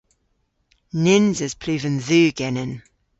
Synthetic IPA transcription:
nɪnzɪz̥pʰl̥ʉːvə̃nðʉːɡ̥ɛnə̃n

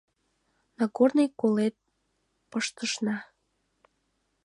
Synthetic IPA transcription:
nɑɡornəjkolet̪̚ | pəʃt̪əʃnɑ

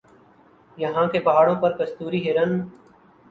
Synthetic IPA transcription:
jəɦãːkebɐaːɽõːpɐɾkəst̪uːɾiːɦeːɾən

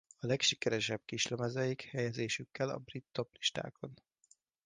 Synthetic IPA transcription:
ɒlɛkʃikɛɾɛʃɛb̚kiʃlømɛzɛjikhɛjɛzeːʃykːɛlɒ̰brit̪ːo̞pli̥ʃt̪a̰ːko̞n

